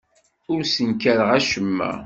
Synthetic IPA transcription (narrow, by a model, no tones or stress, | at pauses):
ʊɾsənkæɾəʁæʃəmːæ̰